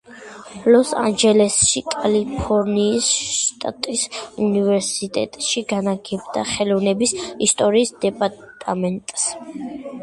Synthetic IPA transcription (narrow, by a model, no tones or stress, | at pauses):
lɔsa̰nd͡ʒɛlɛsʃikʼalipʰɔɾniːsʃʃt̪ʼa̰t̪ʼisunivɛɾsit̪ʼɛ̰t̪ʼʃiɡanaɡɛbd̪aχɛlɔvnɛbisist̪ʼɔɾiːsd̪ɛpʼaɾt̪ʼamɛnt̪ʼs